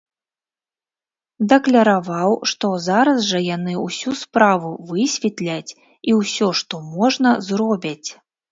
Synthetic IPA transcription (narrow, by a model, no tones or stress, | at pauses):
d̪ɐklʲɐɾavawʂt̪ɔzaɾɐzʐɐjanɨwsʲuspɾavuvɨsʲvʲɛt̪lʲat͡sʲ | iwsʲɔʂt̪ɔmɔʐnɐzrɔbʲit͡sʲ